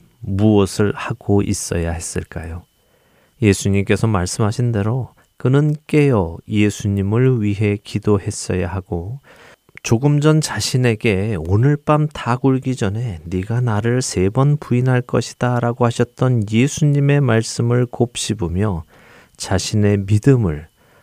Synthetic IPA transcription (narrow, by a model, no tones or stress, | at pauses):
muʌsʰɯɭhaɡ̥oʔḭs͈ʌ̰jahe̞s͈ɯɭk͈ajo | je̞sʰuɲimk͈e̞sʰʌmaɭs͈ɯmɦaɕʰinde̞ɾo | kɯnɯnk͈e̞jʌje̞sʰuɲimɯɭɥiɦe̞kidoɦe̞s͈ʌjaɦaɡ̥o | t͡ɕoɡɯmd͡ʑʌnt͡ɕaɕʰine̞ɡe̞onɯɭp͈amtʰaɡuɭɡid͡ʑʌnɦe̞niɡanaɾɯɭsʰe̞bʌnpuinɦaɭk͈ʌɕʰi̥d̥aɾaɡohaɕʰʌt̚t͈ʌnjesʰuɲime̞maɭs͈ɯmɯɭkop̚ɕ͈ibomjʌ | t͡ɕaɕʰine̞midɯmɯɭ